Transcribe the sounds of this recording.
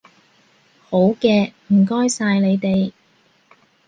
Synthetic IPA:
ho˨˥wkɛː˧m̩˨˩kɔː˥jsaː˧jle˨˧jt̪e˨j

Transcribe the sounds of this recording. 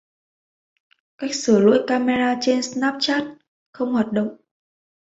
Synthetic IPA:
kaː˦˥jk̚sɨ˧˩lṵ˧˥jkaː˧me˧zaː˧t͡ɕe˧nsnaː˦˥p̚t͡ɕaː˦˥t̚ | xə˧wŋ͡mhwaː˨˩t̚ɗə̰˧˨wŋ͡m

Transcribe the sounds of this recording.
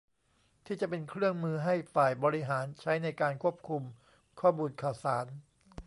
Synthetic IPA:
t̪ʰiː˥˩t͡ɕa˨˩ʔpe˧nkʰɾɯ˥˩əŋmɯː˧ɦa˥˩jfaː˨˩jbɔː˧ɾi˦˥ɦaː˩˦nt͡ɕʰa˦˥jna˧jkaː˧nkʰu˥˩əp̚kʰu˧m | kʰɔː˥˩muː˧nkʰaː˨˩wsaː˩˦n

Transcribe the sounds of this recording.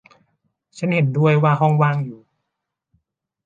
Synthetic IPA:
t͡ɕʰa˦˥nhe˨˩˦ndu˥˧˩əjwaː˧ɦɔ˥˩ŋwaː˧˩ŋjuː˨˩

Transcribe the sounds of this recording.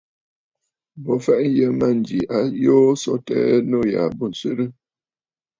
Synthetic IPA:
bɔ˨fɛ˦˨ʔn̩˦jə˦ma˦˨n˨d͡ʒi˨ʔa˦joː˦sɔ˦tɛ̰ː˦no˦˨ja̰˨bo˦˨n̩˨sɥe˦ɾə˦

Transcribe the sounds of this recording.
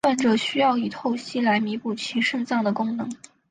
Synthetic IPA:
a˥˩nʈ͡ʂɤ˨˩ɕy˥jɑ˥˩ʊi˨˩t̪ʰo˥˩ʊɕi˥˩la˧˥ɪmi˧˥pu˨˩t͡ɕʰi˧˥ʂɤ˥˧ŋsɑ˥˩ŋd̪ə˩kʊ˥ŋnɤ˧˥ŋ

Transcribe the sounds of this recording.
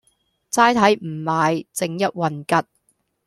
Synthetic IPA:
t͡saː˥jt̪ʰɐ˨˥jm̩˨˩maː˨jt͡sɪ˨˥ŋjɐ˦˥t̚wɐ˨nkɐ˦t̚

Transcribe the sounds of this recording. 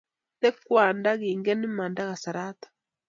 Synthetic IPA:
tɛ˦kwaː˨nda˦ɣiː˨ŋɡɛ˦ni˦ma˨nda˦ɣa˨sa˨ɾaː˦t̪ḁ

